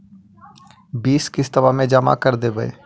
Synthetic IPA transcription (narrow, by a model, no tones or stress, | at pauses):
biːskɪst̪əʋaːmẽːd͡ʒama̰kəɾd̪eːbəḛː